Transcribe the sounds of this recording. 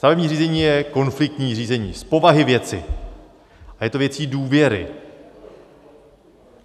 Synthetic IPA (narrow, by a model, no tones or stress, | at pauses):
st̪avɛbɲiːr̝iːzɛɲiːjɛko̞nflɪk̚t̪ɲiːr̝iːzɛɲḭːspo̞vaɦɪvjɛt͡sɪ̰ | ʔajɛt̪o̞vjɛt͡siːduːvjɛɾɪ̰